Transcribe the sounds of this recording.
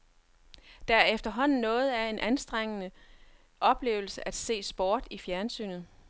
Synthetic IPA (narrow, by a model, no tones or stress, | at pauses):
d̥ɑ̈æɐefd̥ɐɦɒ̽n̰n̩nːɔ̽ːð̞̩ˠæe̝nʔænsd̥ʁeŋ̰ənə | ʔɒ̽b̥le̝̰ːʊl̩səʔæd̥se̝̰ːsb̥ɒːd̥ifjæɐnsy̰ːnð̩ˠ